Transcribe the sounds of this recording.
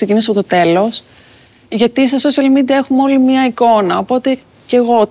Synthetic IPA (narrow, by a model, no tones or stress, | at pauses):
secinisɐpo̞t̪ot̪e̞lo̞s | ʝɐt̪ist̪ɐso̞siɐlmid̪iɐexumeo̞limɲɐiko̞nɐopo̞t̪e̞ | ce̞ɣo̞